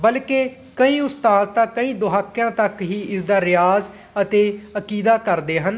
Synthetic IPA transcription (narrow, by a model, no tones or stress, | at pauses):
bəlkeː | kəĩːʊst̪aːd̪t̪ãːkəĩːd̪ʊɦaːkːjãːt̪əkɦiːʔɪsd̪aːɾɪjaːz | ət̪eːəkiːd̪aːkəɾd̪eːɦən